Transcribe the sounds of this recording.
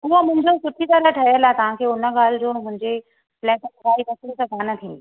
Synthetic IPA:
ʊɦəmʊ̃ɦɪ̃ɲd͡ʑosʊʈʰit̪ɐɾəʈʰɐəlaːt̪ɐʋ̤ãkʰeːʊnə̆ɡaːl̤d͡ʑoːmʊ̃ɦɪ̃ɲd͡ʑe | plɛ̃ːʈɐɡaːid̪ɐslsãpaːnət̪ʰĩːnd̪i

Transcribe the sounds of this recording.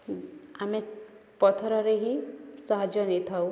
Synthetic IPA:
amepɔt̪ʰɔɾɔɾeɦisɔɦad͡ʒjɔnet̪ʰau

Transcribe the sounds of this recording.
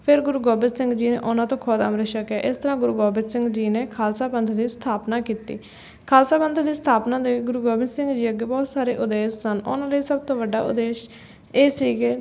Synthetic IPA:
pʰɪɾɡʊɾuːɡɔːbɪnsɪ̃ŋɡd͡ʒiːnḛːʔʊnãːt̪õːkʰɔːd̪a̰mɾeʃəkɛːʔɪst̪əɾãːɡʊɾuːɡɔːbɪdsɪ̃ŋɡd͡ʒiːneːkʰaːlsaːpənt̪ʰd̪iːst̪ʰaːpnaːkiːt̪ḭː | kʰaːlsaːpənt̪ʰd̪iːst̪ʰaːpnãːd̪eːɡʊɾuːɡɔːbɪnsɪ̃ŋɡd͡ʒiːəɡeːbɔːt̪saːɾeːʔʊd̪eːʃsənʊ̰nãːləiːsəb̚t̪õːʋəɖːa̰ːʊ̰d̪eːʃ | eːsiːɡeː

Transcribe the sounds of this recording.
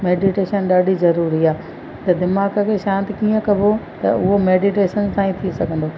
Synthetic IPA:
meːɖiʈeːʃənɗaːɖizɐɾuːɾiaː | t̪ɐd̪ɪmaːɡəkʰeʃãːnt̪ikiːə̃kɐbʱot̪ɐ̰ʊɦomeːɖiʈeːʃənsãːĩt̪ʰisɐɡʱə̃nd̪oː

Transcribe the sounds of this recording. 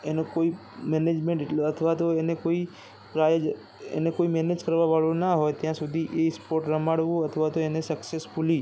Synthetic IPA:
enõkoi | mɛned͡ʒmẽɳʈɪʈlət̪ʰʋat̪oenekoi | pɾajd͡ʒ | ḛnekoimɛned͡ʒkəɾʋaʋaɭõnaɦojt̪jãsud̪ʱiʔespoɾʈɾəmaɽʋũət̪ʰəʋat̪oenesəksesfuli

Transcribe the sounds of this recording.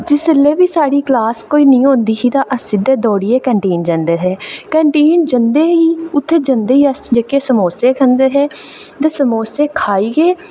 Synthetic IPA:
d͡ʒɪslːeːʋiːsaːɽiːklaːskoːiːnĩːɦõːnd̪iːsiːt̪aːʔəsiːd̪eːd̪ɔːɽiːɛːkɛ̃ːɳʈeːnd͡ʒənd̪eːɦɛːkɛ̃ːɳʈeːnd͡ʒənd̪eːɦiːʊt̪ʰːeːd͡ʒənd̪eːiːəsd͡ʒekeːsəmoːseːkʰənd̪eːɦɛː | t̪eːsəmoːseːkʰaːiːɡeː

